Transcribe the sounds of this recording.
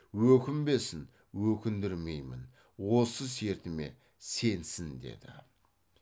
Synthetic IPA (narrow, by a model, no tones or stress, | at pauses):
wɵkʲɪmbe̞sɪn | wɵkʲɪnd̪ɪɾme̞jmɪn | wo̞səs̬e̞ɾt̪ɪme̞̰ | se̞nsɪnd̪e̞̰d̪̥ɪ̰